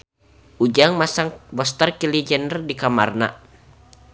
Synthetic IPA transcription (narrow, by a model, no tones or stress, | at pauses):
ʔud͡ʒaŋmasaŋbɔst̪ərkilid͡ʒɛndərdikamarna̰